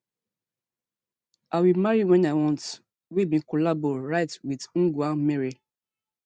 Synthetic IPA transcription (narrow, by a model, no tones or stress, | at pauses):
ʔawimaɹiwɛ̃nawɔ̃nt | wimĩkɔlabɔɹaɪtwiðŋ̩ɡameɹi